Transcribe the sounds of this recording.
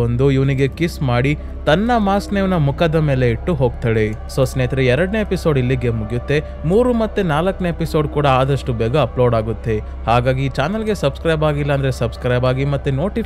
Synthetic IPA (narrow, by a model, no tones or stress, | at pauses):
ond̪uiʋɐniɡe̞kismaːɽi | t̪ɐnːɐmaːsneʋnɐmukad̪ɐme̞ːle̞iʈːuɦo̞ːɡ̚t̪aːɽesosneːt̪ɾeɛɾɐɽne̞episo̞ːɖilːiɡe̞muɡjut̪ːe̞ | muːɾumɐt̪ːenaːlɐkːneepisoːɖkuːɽɐaːd̪ɐʂʈubɛːɡɐːploːɖaːɡut̪ːe̞ | haːɡaːɡit͡ʃaːnɐlɡe̞sɐbskɾɐjbaːɡilːɐːnd̪ɐɾesɐbskɾɐjbaːɡimɐt̪ːuno̞ːʈi